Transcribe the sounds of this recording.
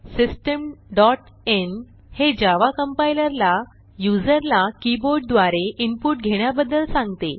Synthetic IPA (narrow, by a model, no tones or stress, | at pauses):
sisʈəmɖɔʈ | en | hed͡ʑaʋakəmpailəɾla | jud͡zəɾlakiboɾɖ̚d̪ʋaɾeʔimpuʈɡʱeɽ̃jabəd̪ːəlsãŋɡt̪e